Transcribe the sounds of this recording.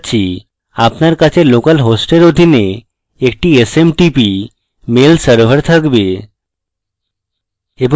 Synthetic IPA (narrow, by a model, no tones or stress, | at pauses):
t͡ɕʰi | apnaɾkat͡ɕʰelokalɦosʈeɾod̪ʱine | ek̚ʈiesemʈipi | melsəɾbʱəɾt̪ʰakbe | ebo